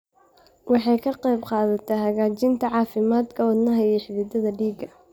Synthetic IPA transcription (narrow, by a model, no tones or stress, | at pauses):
wɑħɑjkʰɐqɑjbqɑːðɐt̪ʰɐɦɐɣaːt͡ʃɪnt̪ʰɐʕɑːfɪmaːd̪kʰɐɔːd̪nɐɦɐɛħɪβɪd̪ɐðɐɖiːɡɐ